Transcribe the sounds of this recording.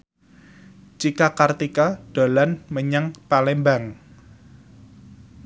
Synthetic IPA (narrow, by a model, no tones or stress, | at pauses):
t͡ʃikakart̪ikaɖ̥o̤lanməɲaŋpalɛmbaŋ